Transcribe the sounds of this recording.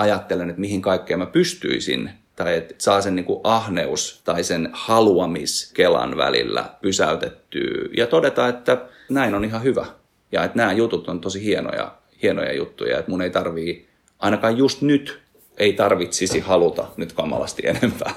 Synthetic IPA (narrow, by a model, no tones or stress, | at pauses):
ɑjɑt̪ːelenet̪mihiŋkɑikːeimæpyst̪y̰isḭn | t̪ɑiet̪sɑːsenniːŋkuʔɑhneust̪ɑisenhɑluɑmiskelɑ̰nʋæ̰lḭlːæ̰pysæ̰yt̪et̪ːy̰ːjɑt̪odet̪ɑet̪ːæ | næinonihɑhyʋæ̰ | jɑ̰et̪næːjut̪ut̪ont̪osihieno̰jɑ̰ | hieno̰jɑ̰jṵt̪ːṵjɑ̰et̪muneit̪ɑrʋiː | ʔɑinɑkɑjjust̪nyt̪ | eit̪ɑrʋit̪sisihɑlut̪ɑ̰nyt̪kɑmːɑ̰lɑ̰st̪ḭḛnempæ̰ː